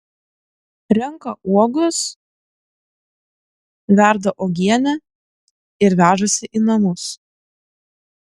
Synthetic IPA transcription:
ɾʲɛŋkɐʔuɔɡʊs | ʋʲæˑɾd̪ɐʔoɡʲiɛnʲɛ | ɪɾʋʲæːʒosʲɪʔiːnɐmʊs

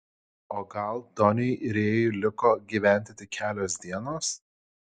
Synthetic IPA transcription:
oːɡɐlˠd̪ɔnʲɪjɪɾʲeːjʊlʲɪkoːɡʲiːʋʲæˑnʲt̪ʲɪt̪ʲɪkʲʰæːlʲoːsd̪ʲiɛnoːs

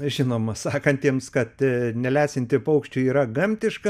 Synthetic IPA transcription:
ʒʲɪnoːmɐsɑːkɐnʲt̪ʲiɛmskɐt̪nʲɛlʲæːsʲɪnʲt̪ʲɪpɐʊkʃʲt͡ʃʲuiːɾɐɡɐmʲt̪ʲɪʃkɐ

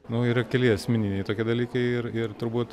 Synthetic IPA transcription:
nʊiːɾɐkʲɛlʲɪɐsʲmʲɪnʲinʲɛɪt̪oːkʲiɛd̪ɐlʲiːkɐɪɪrɪrt̪ʊɾbuːt̪

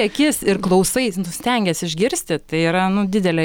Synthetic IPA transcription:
ɛkʲɪsɪrklˠɐʊsɐɪnʊsʲt̪ʲɛŋʲɡʲɛsɪʒʲɡʲɪɾʲsʲt̪ʲɪt̪ɐɪiːɾɐnʊd̪ʲɪd̪ʲɛlʲɛ

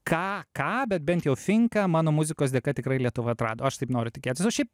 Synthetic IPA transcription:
kɑːkɑːbʲɛt̪̚bʲɛnt̪jɛʊfʲɪŋkɐmɑːnoːmʊzʲɪkoːsd̪ʲeɛkɐt̪ʲɪkɾɐɪlʲiɛt̪ʊʋɐɐt̪ɾɑːd̪oːɐʃt̪ɐɪpnoːɾʲʊt̪ʲɪkʲeːt̪ʲɪsɐʊʃʲɛɪp̚

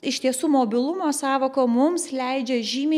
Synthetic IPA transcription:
ɪʃt̪ʲiɛsuːmoːbʲɪlˠʊmoːsɑːʋoːkoːmʊmslʲɛɪd͡ʒʲɛʒʲiːmʲeː

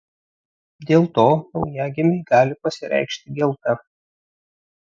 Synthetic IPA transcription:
d̪ʲeːlˠt̪oːnɒʊjæːɡʲɪmʲɛɪɡɑːlʲɪpɐsʲɪɾʲɛ̰ɪkʃʲt̪ʲɪɡʲɛlˠt̪ɐ

